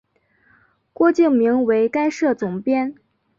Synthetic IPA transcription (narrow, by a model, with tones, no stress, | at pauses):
kwɔ˥˧t͡ɕi˥˩ŋmi˧˥ŋwe˧˥ɪka˥ɪʂɤ˥˩t͡sʊ˨˩ŋpjɛ˥n